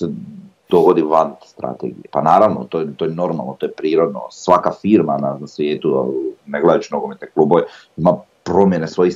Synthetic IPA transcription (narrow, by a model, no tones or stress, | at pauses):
sed̪̥o̞ɡo̞d̪iʋanst̪ɾa̰t̪ḛɡijepanaːɾaʋnot̪ojet̪ojeno̞ɾma̰lˠnot̪ojepɾiːɾo̞d̪no̰sʋakafiɾmananasʋjeːt̪uneɡled̪at͡ʃinoɡomet̪nekluːbo̞ʋe | ima | pɾo̞mjenesʋo̞ji